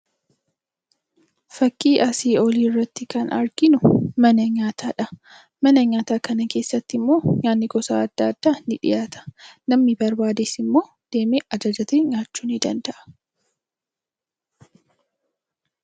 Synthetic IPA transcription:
fɐkːiːʔɐsiːɔlirːɐt̪ːɪkɐnɐɾɡ̥ɪnʊmɐnɐɲaːt̪ʰaːᶑɐ | mɐnɐɲaːt̪aːkɐnɐke̞ːsːɐt̪ːɪmːo̞ːɲaːnːɪɡɔsa̰ːɐd̪̥ːaːd̪̥ːaːnɪᶑɪ̰jaːt̪ɐ̥nɐmnɪbɐɾbaːd̪eːsɪmːo̞ː | d̪̥e̞ːmeʔɐd͡ʒɐd͡ʒɐt̪eːɲaːt͡ʃːuːnɪd̪ɐnd̪ɐʔɐ̥

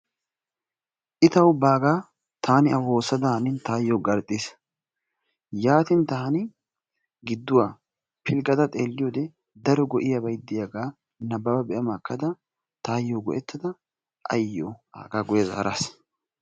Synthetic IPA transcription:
ʔɪt̪ɐwʊbaːɡaː | t̪ʰaːnɪɐwoːsɐd̪ɐhɐnɪnt̪aːjːoːɡɐɾt̪ʼːis | jaːt̪ɪnt̪aːnɪ | ɡɪd̪ːʊwaː | pʰɪlɡʼɐd̪ɐt̪ʼeːlːɪjoːd̪ɛ | d̪ɐɾɔɡɔʔɪjɐbɐjd̪ːɪjɐɡaː | nɐbːɐbɐbɛʔɐmakːɐd̪ɐ | t̪aːjːoːɡɔ̰ʔɛt̪ːɐd̪ɐ | ʔɐjːoa̰ːɡaːɡʊjɐza̰ːɾa̰ːs

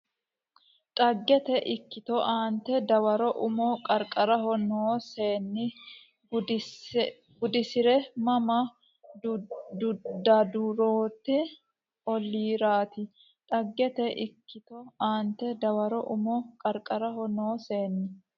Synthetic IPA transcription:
t̪ʼɐɡːɛt̪ɛʔɪkːɪt̪ɔʔaːnt̪ɛd̪ɐwɐɾɔʔʊmɔkʼɐɾkʼɐɾɐhɔnoːseːnːɪ | ɡʊd̪ɪsɪɾɛmɐmɐ | d̪ʊd̪ɐd̪uɾoːt̪ːɪ | ɔlːiːɾaːt̪ɪ | t̪ʼɐɡːɛt̪ɛʔɪkːɪt̪ɔaːnt̪ːɛd̪ɐwɐɾɔʔʊmɔkʼɐɾkʼɐɾɐhɔnoːse̞ːnːɪ

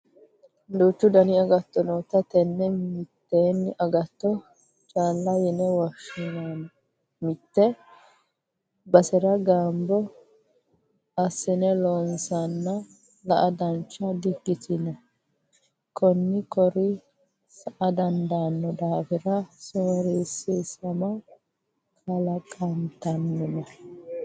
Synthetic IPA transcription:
d̪uːt͡ʃːʊd̪ɐnɪɐɡɐt̪ːɔnoːt̪ɐt̪ɛnːɛmɪt̪ːeːnːɪʔɐɡɐt̪ːɔ | t͡ʃʼaːlːɐjɛnɛwɐʃɪnan | mɪt̪ːɛ | bɐsɛɾɐɡaːmbɔ | ɐsːɛnɛloːnsɐnːɐ | lɐʔɐd̪ɐnt͡ʃːɐd̪ɪɡːɪt̪ɪnɛ | kʰɔnːɪkɔɾɪ | sɐʔɐd̪ɐnd̪anːɔd̪aːfɪɾɐsoːɾiːsɪsɐmɐ | kʰɐlɐkʼɐnt̪ɐnːɛnɐ

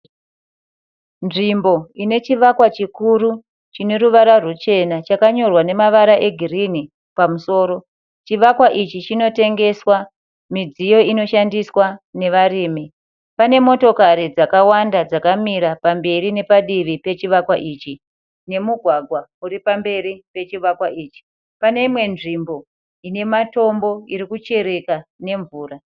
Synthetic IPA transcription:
nʐimbo̞ine̞t͡ʃiʋakwat͡ʃikuɾu | t͡ʃine̞ɾuʋaɾarut͡ʃe̞nat͡ʃakaɲo̞rwane̞maʋaɾaʔe̞ɡʱirini | pamuso̞ːɾo̞ | t͡ʃiʋakwaʔit͡ʃit͡ʃino̞te̞ŋɡe̞swa | mid͡zijo̞ino̞ʃandiswane̞ʋariːmi | pane̞mo̞to̞kaɾid͡zakawandad͡zakamiɾapambe̞rine̞paɗiʋipe̞t͡ʃiʋakwaʔiːt͡ʃi | ne̞muɡʱwaɡʱwauripambe̞ɾipe̞t͡ʃiʋakwaʔiːt͡ʃi̥ | pane̞imwe̞nʐimbo̞ | ine̞mato̞mbo̞iɾikut͡ʃe̞ɾe̞kane̞ɱvuːra

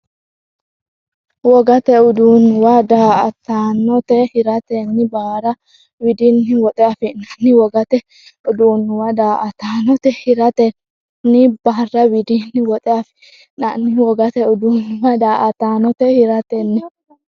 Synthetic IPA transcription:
wɔɡɐt̪ɛʊd̪uːnwɐd̪aːɐt̪aːnːɔt̪ɛhɪɾɐt̪ɛnːɪbaːɾɐ | wɪd̪ɪnːɪwɔt̪ʼɛɐfɪnɐnːɪwɔɡɐt̪ɛ | ʊd̪uːnwɐd̪aːʔɐt̪aːnɔt̪ɛhɪɾɐt̪ɛ | nːɪbaːrːɐwɪd̪ɪnːɪwɔt̪ʼɛɐf | nɐnːɪwɔɡɐt̪ɛʊd̪uːnwɐd̪aːʔɐt̪aːnɔt̪ɛhɪɾɐt̪ɛnːɪ

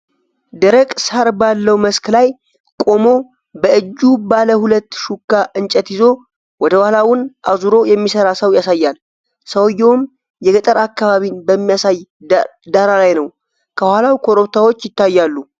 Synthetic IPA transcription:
d̪əɾəkʼsaɾbalːəwməsklaj | kʼo̞mo̞ | bəɨd͡ʒːubaləhulət̪ːʃukːaʔɨnt͡ʃʼət̪jɪzo̞ | wɔd̪əwahlawʊnʔazuɾo̞jɛmːisəɾasəwjasajːal | səwjːowm | jɛɡət̪ʼəɾakːaβaβinbəmːijasajd̪aɾalajnəw | kʰəwhalawkʰo̞ɾoβt̪ʰawot͡ʃːjɪt̪ːajːalːu

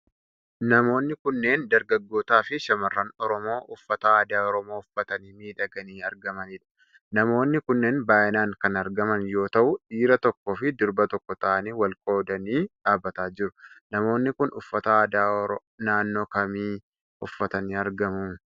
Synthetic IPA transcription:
nɐmo̞ːnːɪkʊnːe̞ːnd̪ɐɾɡɐɡːo̞ːt̪aːfɪʃɐmɐrːaːnɔɾɔmo̞ːʔʊfːɐt̪ɐaːd̪aːɔɾɔmo̞ːʊfːɐt̪ɐniːmiːᶑɐɡɐniːɐɾɡɐmɐnɪᶑɐ̥ | nɐmo̞ːnːɪkʊnːe̞ːnbaːʔɪnaːŋkɐnɐɾɡɐmɐnjo̞ːt̪ɐʔʊᶑiːɾɐt̪ɔkːɔfɪd̪ʊɾbɐt̪ɔkːɔt̪ɐʔɐniːwɐlkʼo̞ːd̪ɐniːᶑaːbːɐt̪aːd͡ʒɪɾʊ̥nɐmo̞ːnːɪkʊnʔʊfːɐt̪ɐaːd̪a | naːnːo̞ːkɐmiː | ʊfːɐt̪ɐniːɐɾɡɐmʊ

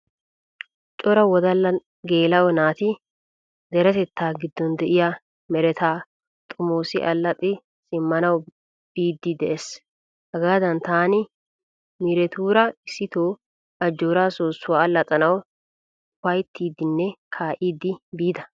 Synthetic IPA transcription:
t͡ʃʼɔɾɐwɔd̪ɐlːɐ | ɡeːlɐʔɔnaːt̪ɪ | d̪ɛɾɛt̪ɛt̪ːaːɡɪd̪ːɔnd̪ɛʔɪjɐ | mɛɾɛt̪ʰaː | t̪ʼʊmoːsɪʔɐlːɐt̪ʼɪ | sɪmːɐnɐw | b̥iːd̪ːɪd̪ɛʔes | hɐɡaːd̪ɐnt̪aːnɪ | mɪɾɛt̪uːɾɐɪsːɪt̪oː | ɐd͡ʒːoːɾaːsoːsːʊwaːɐlːɐt͡sʼɐnɐw | pɐjt̪ʰːiːd̪ɪnːɛkʰaːʔiːd̪ɪbiːd̪ɐ

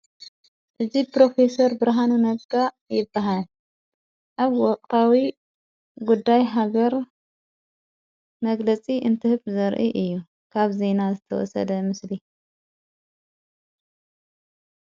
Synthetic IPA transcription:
ʔɨd͡ʒipɾo̞fesɐɾbɨɾɦanunɐbɡa | jɪbːaɦal | ʔaβwɔkʼt̪ʰawi | ɡud̪ːajɦaɡɐɾ | mɐɡlɐt͡sʼiʔɨnt̪ʰɨhɨβzɐɾʔiʔɨjːu | kʰaβze̞nazɨt̪ʰɐwɔ̰sɐ̰d̪ɐmɨsli

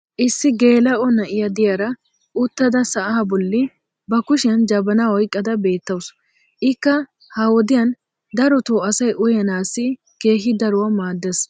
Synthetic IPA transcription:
ʔɪsːɪɡe̞ːlɐʔɔnɐʔɪjɐd̪ɪjɐɾɐ | ʔʊt̪ːɐd̪ɐsɐʔɐɐbɔlːɪ | bɐkʊʃɪjɐnd͡ʒɐbɐnawɔjkʼːɐd̪ɐbe̞ːt̪ːɐws | ʔɪkːɐ | hɐwɔd̪ɪjɐn | d̪ɐɾɔt̪oːɐsɐjʔʊjɐnaːsːɪ | ke̞ːɦɪd̪ɐɾʊwɐmaːd̪ːɛs

